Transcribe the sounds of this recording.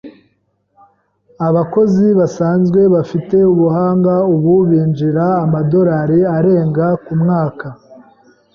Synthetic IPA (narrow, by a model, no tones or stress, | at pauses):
aβako̞ziβasaːnzɡwe̞βafite̞uβuhaːŋɡauβuβiːnd͡ʒiɾaːmado̞ɾaːɾiaɾe̞ːŋɡakumŋaːka